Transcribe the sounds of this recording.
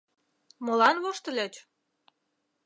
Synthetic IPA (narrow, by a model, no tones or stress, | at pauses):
molɑnβoʃt̪ə̆lʲet͡ɕ